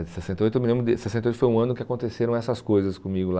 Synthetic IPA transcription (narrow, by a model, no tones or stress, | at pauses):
ɪsesẽt̪ejojt̪wmɪlẽmbɾʊd̪ɪsesẽt̪eojt̪fojũɐ̃nʊkɪakõnt̪eseɾɐ̃w̃ɛsɐskojzɐskõmiɡʊla